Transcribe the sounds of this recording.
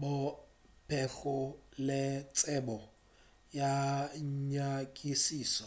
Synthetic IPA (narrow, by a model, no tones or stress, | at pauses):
bʊ | pʰɛk͡xʊlɪt͡sʼɛbɔ | ja | ɲakʼisiːsɔ